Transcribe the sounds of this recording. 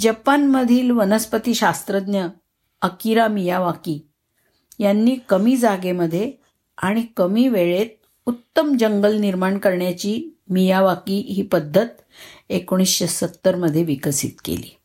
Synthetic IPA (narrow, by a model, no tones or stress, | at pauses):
d͡ʑəpanməd̪ʱiːlʋənəspət̪iːɕast̪ɾəd̪njə | əkiɾamijaʋakiː | janːiːkəmiːd͡zaɡeməd̪ʱːje | aɽ̃ikəmiːʋeɭet̪̚ | ut̪ːəmd͡ʑəŋɡəlniɾmaɳkəɾɳjat͡ɕiːmijaʋakiːɦiːpəd̪ʱːət̪̚ | ekoɽ̃isɕesət̪ːəɾməd̪ʱːjeʋikəsḭt̪kḛlḭː